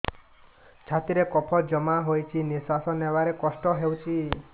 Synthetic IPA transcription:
t͡ʃʰat̪iɾekɔpʰɔd͡ʒɔmaɦojt͡ʃʰinisasɔnewaɾekɔsʈɔɦewt͡ʃʰi

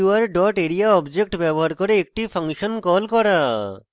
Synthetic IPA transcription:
uaɾɖɔʈeɾiaɔbd͡ʑek̚ʈbɛboɦaɾkoɾeek̚ʈipʰaŋʃɔnkɔlkɔɾa

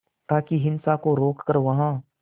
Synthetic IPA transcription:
t̪aːkiɦɪnsakoɾoːkːəɾʋɐɦã

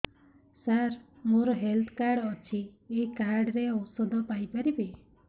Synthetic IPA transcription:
saɾ | moɾɔɦelt̪ʰkaɾɽɔt͡ʃʰiekaɾɖɾeɔwsɔd̪ʱɔpajpaɾibi

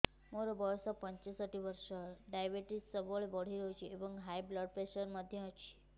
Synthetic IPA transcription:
moɾobʱəjsɔpəɲt͡ʃesəʈiʋəɾʃəɖajbeʈissəʋəɭʋəɽ̤iɾɦjt͡ʃʰieʋə̃ŋɡɦajbləɖpɾesəɾməd̪ʱjət͡ʃʰi̥

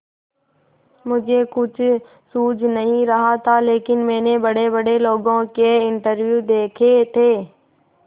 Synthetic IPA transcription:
mʊd͡ʒʱekʊt͡ʃʰ | suːd͡ʒʱnɐɦĩɾɐɦat̪ʰaleːkɪnmɛ̃ːnebəɽebəɽeloːɡõkeɪ̃ɳʈəɾʋjud̪eːkʰet̪ʰeː

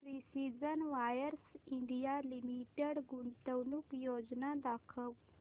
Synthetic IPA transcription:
pɾisid͡zənʋajəɾsiɳɖijalimiʈeɽɡuɳʈ̪əwnukjod͡ʑnad̪akʰəʋ

